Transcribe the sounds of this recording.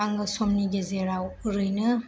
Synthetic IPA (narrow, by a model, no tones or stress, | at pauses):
aŋɡɐsomniɡezeɾawɾɯjnɯ